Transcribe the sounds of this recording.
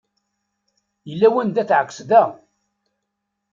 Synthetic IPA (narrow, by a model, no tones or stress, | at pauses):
jəlːæwænd̪æθʕəkːə̥sðæ